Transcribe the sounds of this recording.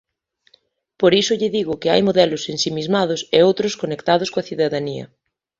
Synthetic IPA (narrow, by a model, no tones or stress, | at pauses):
poɾisʊʎɪðiɣʊkɪa̰jmoðɛlʊsensimizmað̞ʊseowt̪ɾʊskonekt̪aðʊskoɐθiðaðaniɐ̰